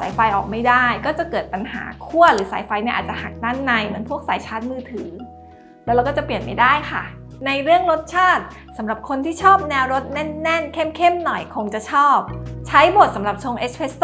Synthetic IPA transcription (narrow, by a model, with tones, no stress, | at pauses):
sa̰ː˨˩˦jfa˧jʔɔː˨˩k̚ma˥˩jdaː˥˩jkɔː˥˩t͡ɕa˨˩kɤː˨˩t̪̚pa˧nha̰ː˩˦kʰu˥˩ɐɾɯː˩˦saː˨˩˦jfa˧jni˥˩ɐʔaː˨˩t̚t͡ɕa˨˩ha˨˩k̚t̪a˥˩nːa˧jmɯ˩˦pʰu˥˩ək̚saː˩˦jt͡ɕʰaː˦˥t̪̚mɯː˧t̪ʰɯː˩˦ | lɛ˦˥wɾa˧wkɔː˥˩t͡ɕa˨˩pli˨˩ənma˥˩jdaː˥˩jkʰa˥˩ | na˧jɾɯ˥˩əŋɾo˦˥t̪̚t͡ɕʰaː˥˩t̪̚ | sa˩˦mɾa˨˩p̚kʰo˧nt̪ʰiː˥˩t͡ɕʰɔː˥˩p̚nɛː˧wɾo˦˥t̪̚nɛ˥˩nːɛ˥˩nkʰe˥˩mkʰe˥˩mnɔ˨˩jkʰo˧ŋt͡ɕa˨˩t͡ɕʰɔː˥˩p̚t͡ɕʰa˦˥jbo˨˩t̪̚sa˩˦mɾa˨˩p̚t͡ɕʰoː˧ŋʔeː˦˥spʰe˦˥st̪